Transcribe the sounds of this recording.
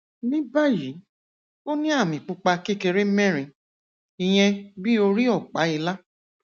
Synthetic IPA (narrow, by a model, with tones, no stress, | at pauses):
nĩ˦ba˦ji˨˦ | o˦nĩ˦a˦˨mĩ˨k͡pu˧k͡pa˧ke˦˨ke˧ɾe˦mɛ̃˦˨ɾ̃ĩ˧˨ | i˧j̃ɛ̃˧bi˦o˧ɾi˦ɔ˦˨k͡pa˨˦i˧la˦